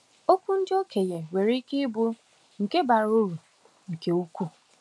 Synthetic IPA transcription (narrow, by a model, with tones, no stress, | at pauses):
o˦kʷu˦n̩˦d͡ʒo˦kʰe˨je˨we˨ɾi˦kɪ˦bʊ˦ | ŋ̩˨ke˦ba˨ɾo˦ɾu˨ | ŋ̩˨ke˦u˦kʷu˦